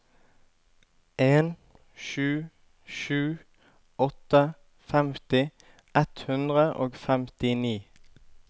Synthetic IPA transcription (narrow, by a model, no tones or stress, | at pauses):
ʔeːn | ʃʉː | ʃʉː | ɔt̪ə | fɛmt̪ɪ | ʔɛt̪hʉnd̪ʁəʔo̰ːɡfɛmt̪ɪniː